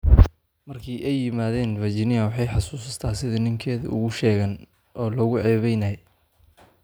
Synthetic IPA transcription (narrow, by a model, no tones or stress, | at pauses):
mɐrkʰɪʔɛjːɪmaːðɛːnvɐd͡ʒɪnɪɐwɑħɑjħɑsuːsɐst̪ʰaːsɪðɐnɪŋkʰɛːðɐ̰ʔʊ̰ɣʊʃɛːɣɐn | ʔɔːlɔɣʊʕɛːβɛjnɐjɛ